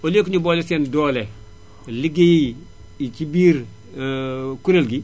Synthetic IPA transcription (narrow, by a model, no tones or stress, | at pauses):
olekuɲuboːlesendoːle | liɡeji | it͡ʃibiːɾ | kuɾelɡi